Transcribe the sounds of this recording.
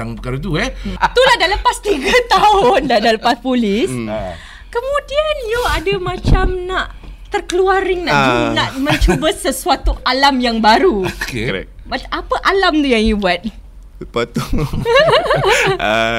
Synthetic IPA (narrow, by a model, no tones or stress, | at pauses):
aŋpəkaɾat̪̬uɛt̪ulahdaləpast̪iɡat̪aʊndadaləpaspulɪs | kəmũdianjoadamãt͡ʃamnaʔ | t̪ərkəluaɾɪŋnad͡ʒunaʔmə̃ɲt͡ʃubəsəsuat̪ualamjaŋbaɾukeɛ̰k̚bat̪apaʔalamt̪ujaŋjubuat̪̚ | pat̪u